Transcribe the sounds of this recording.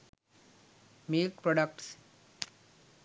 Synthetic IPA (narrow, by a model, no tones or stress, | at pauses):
milkpɾɔɖək̚ʈs